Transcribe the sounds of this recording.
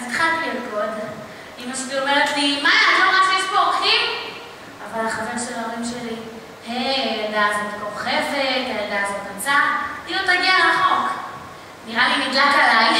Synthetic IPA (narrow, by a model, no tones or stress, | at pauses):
zt̪χatbijot̚kod̪em | imaʃtio̞meʁet̪limajalomafispoʁkim | avalaχaveʁʃelaoʁimʃe̞li | hedazot̪koʁχe̞vet̪aeldazot̪at͡sailot̪aɡialaχo̞k | niʁalimid̪lakalaj